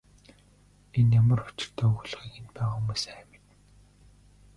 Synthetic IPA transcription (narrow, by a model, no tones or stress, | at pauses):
enjamə̆rʊt͡ɕɪ̆r̥t̪ʰɔːuɣuɮ̆χiːkent̪pæːʁaumuːsæmet̪